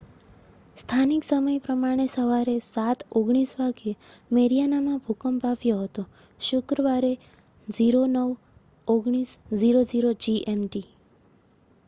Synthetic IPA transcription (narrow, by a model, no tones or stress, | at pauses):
st̪ʰaniksəməjpɾəmaɽ̃esəʋaɾesat̪ʰoɡɽ̃isʋaɡemeɾijanamãbʱukəmpafjoɦət̪o | ʃʊkɾəʋaɾe | d͡ʒiɾonəʋ | oɡɽ̃isd͡ʒiɾod͡ʒiɾod͡ʒiʔemʈi